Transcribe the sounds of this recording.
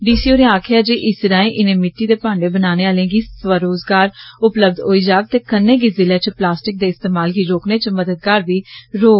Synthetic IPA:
ɖiːsiːoːɾẽaːkʰjaːd͡ʒiːʔɪsɾãːĩːʔɪnẽːmɪʈːiːd̪eːpãːɳɖeːbənaːneːaːlẽãːɡiːʋəɾoːzɡaːɾʊpləb̚d̪ɦoːiːd͡ʒaːk̚t̪eːkənːẽːɡiːzɪlãːt͡ʃplaːsʈɪk̚d̪eːɪst̪eːmaːlɡiːɾoːkneːt͡ʃməd̪əd̪̚kaːɾʋiːɾoː

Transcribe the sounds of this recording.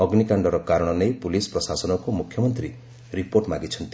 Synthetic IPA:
ɔɡnikaɳɖɔɾɔkaɾɔɽ̃ɔnejpulispɾɔsasɔnɔkumukʰjɔmɔnt̪ɾi | ɾipoɾʈmaɡit͡ʃʰʌnt̪i̥

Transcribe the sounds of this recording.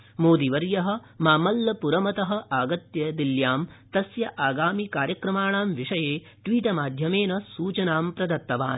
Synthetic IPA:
moːd̪iʋɐɾjɐɦɐ̆ | maːmɐlːɐpuɾɐmɐt̪ɐɦɐ̆ʔaːɡɐt̪jɐd̪iljaːmt̪ɐsjɐʔaːɡaːmikaːɾjɐkɾɐmaːɳaːmʋiʂɐjeː | ʈʋiːʈɐmaːd̪ʱjɐmeːnɐsuːt͡ʃɐnaːmpɾɐd̪ɐt̪ːɐʋa̰ːn

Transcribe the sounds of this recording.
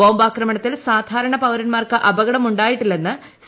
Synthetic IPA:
o̞ːmbaːkrɐmɐɳɐt̪ːilsaːd̪ʱaːɾɐɳɐpɐwɾɐnmaːrkɨʔɐbɐɣɐɽɐmuɳɖaːjiʈːilːenːɨ | s

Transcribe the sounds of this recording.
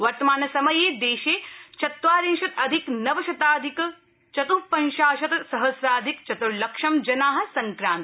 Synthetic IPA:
ʋɐɾt̪ɐmaːnɐsɐmɐjeːd̪eːʃeːt͡ʃɐt̪ʋaːɾeːŋʃɐt̪ɐd̪ʱiknɐʋɐʃɐt̪aːd̪ʱik | t͡ʃɐt̪upɐnʃaːʃɐt̪sɐɦɐsɾaːd̪ʱikt͡ʃɐt̪uɾlɐkʃɐmd͡ʒɐnaːɦɐ̆sɐŋkɾãːnt̪

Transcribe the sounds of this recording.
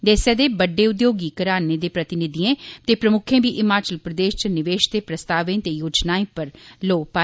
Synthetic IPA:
d̪eːsɛːd̪eːbəɖːeːʊd̪joːɡiːkəɾaːneːd̪eːpɾət̪ɪnɪd̪iẽːt̪eːpɾəmʊkʰẽːbiːʔɪmaːt͡ʃəlpɾəd̪eːʃt͡ʃənɪʋeːʃd̪eːpɾəst̪aːʋẽːt̪eːjoːd͡ʒnaːẽːpəɾloːpaː

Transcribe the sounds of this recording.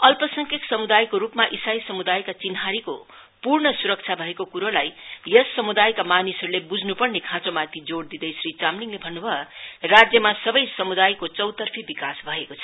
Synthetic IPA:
ʌlpʌsʌŋkʰeksʌmud̪ajkoɾupmaʔisajsʌmud̪ajkat͡sinɦaɾiko̰ | purɳʌsuɾʌkt͡sʰabʱʌekokuɾolajjʌsːʌmud̪ajkamanisʌɾulebud͡znupʌrnekʰãt͡somat̪id͡zoɽd̪id̪ʌjsrit͡samniŋlebʱʌnːubʱʌrad͡zjʌmasʌbʌjsʌmud̪ajkot͡sʌwt̪ʌrpʰibikasbʱʌekot͡sʰʌ̥

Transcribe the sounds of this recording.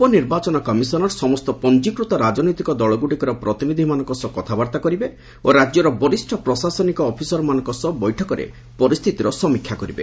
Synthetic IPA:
upɔniɾbat͡ʃɔnɔkɔmisɔnɔɾsɔmɔst̪ɔpɔnd͡ʒikɾut̪ɔɾad͡ʒɔnɔjt̪ikɔd̪ɔɭɔɡuɽikɔɾɔpɾɔt̪inid̪ʱimanɔŋkɔsɔkɔt̪ʰabaɾt̪akɔɾibe | oɾad͡ʒjɔɾɔbɔɾisʈʰɔpɾɔsasɔnikɔːpʰisɔɾɔmanɔ̃ŋkɔsɔbɔjʈʰɔkɔɾḛ | pɔɾist̪ʰit̪iɾɔsɔmikʰjakɔɾibḛ

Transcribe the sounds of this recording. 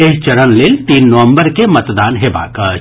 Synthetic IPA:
eːɦt͡ʃɐɾənleːlt̪iːnːɐʋə̃mbəɾkemɐt̪d̪aːnɦeba̰ːkɐ

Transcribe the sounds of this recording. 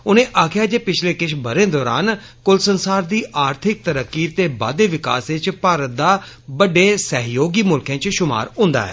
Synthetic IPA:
ʊnẽːʔaːkʰjaːd͡ʒeːpɪt͡ʃʰleːkɪʃbəɾẽːd̪ɔːɾa̰ːn | kʊlsənsaːɾd̪iːʔaːɾt̪ʰɪk̚t̪əɾəkːiːt̪eːba̰ːd̪eːʋɪka̰ːsɪt͡ʃpaːɾət̪̚d̪aː | bəɖeːsəɦjoːɡiːmʊlkãːt͡ʃʃʊma̰ːɾɦʊ̃ːnd̪a̰ːɦɛ̰ː

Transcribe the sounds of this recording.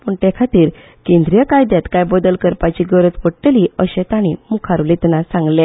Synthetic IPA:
pəːɳʈ̪ekʰat̪iːɾ | kẽnd̪ɾijəkajd̪jat̪kajbɔd̪əlkəɾpat͡ɕiːɡəɾət͡s̪ʋəɽʈeliəɕɛ̃t̪aɽ̃imukʰaɾʋlit̪nasãŋɡle

